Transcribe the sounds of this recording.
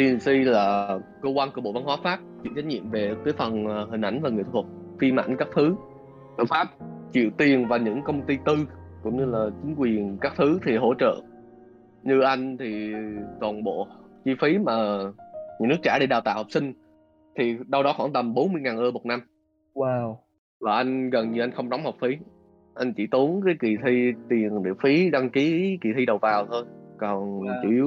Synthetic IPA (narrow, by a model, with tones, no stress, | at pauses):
t̪i˨˩˨nsi˧laː˨˩kə˧kwaː˧nku˧˩ɓo̰˧˨va˧nɦwaː˨˦faː˦˥p̚t͡ɕḭ˧˥t͡ɕa˦˥j̚ɲḭ˧˨əmve˨˩t̪əː˨˦fə˨˩nhï˨˩ŋ̟ʔa˧˩jŋ̟vaː˨˩ŋɨ˨˩˨t̪ʰə˨˩t̚fi˧ma̰˧˩ŋkaː˦˥k̚t̪ʰɨ˨˦ | t͡ɕə̰˧˩faː˦˥p̚t͡ɕḭ˧˨əwt̪i˨˩ənvaː˨˩ɲɨ̰˧˥ŋkə˧wŋ͡mt̪i˧t̪ɨ˧kʊ̰˧˥ŋ͡mɲɨ˧laː˨˩t͡ɕï˨˦ŋ̟kwi˨˩ənkaː˦˥k̚t̪ʰɨ˨˦t̪ʰi˨˩ɦo̰˧˥t͡ɕə̰ː˧˨ | ɲɨ˧ʔa˧jŋ̟t̪ʰi˨˩t̪ɔ˨˩nɓo̰˧˨t͡ɕi˧fi˨˦maː˨˩ɲḭ˧˥nɨ˦˥k̚t͡ɕaː˧˩ɗe˧jɗaː˨˩wt̪a̰ː˧˨wha˨˩k͡p̚sï˧ŋ̟ | t̪ʰi˨˩ɗə˧wɗɔ˨˦xa˧˩nt̪ə˨˩mɓo˨˦nmɨ˧əjŋaː˨˩nʔəː˧mo˨˩t̚na˧m | w | vaː˨˩ʔa˧jŋ̟ɣə˨˩nɲɨ˧ʔa˧jŋ̟xə˧wŋ͡mzɔ˨˦wŋ͡mha˨˩wk͡p̚fi˨˦ | ʔa˧jŋ̟t͡ɕḭ˧˥t̪u˨˦əŋkaː˨˦jki˨˩t̪ʰi˧t̪i˨˩ənɗḭ˧˨əfi˨˦ɗa˧ŋki˨˦ki˨˩t̪ʰi˧ɗə˨˩wvaː˨˩wt̪ʰo˧jkɔ˨˩nt͡ɕḭ˧˩˧